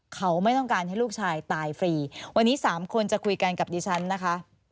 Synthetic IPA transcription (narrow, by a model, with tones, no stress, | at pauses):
kʰa˦˥wma˥˩jt̪ɔ˥˩ŋkaː˧nha˥˩jluː˥˩k̚t͡ɕʰaː˧jt̪aː˧jfɾiː˧wa˧nːiː˦˥saː˩˦mkʰo˧nt͡ɕa˨˩kʰu˧jka˧nka˨˩p̚diː˧t͡ɕʰa˦˥nːa˦˥kʰa˦˥ʔ